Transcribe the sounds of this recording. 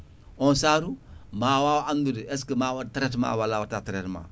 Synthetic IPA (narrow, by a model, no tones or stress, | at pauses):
ɔnsaːɾumawawandudeɛskəmawataɾɛtma̰ːwalːawatataɾɛtma̰ː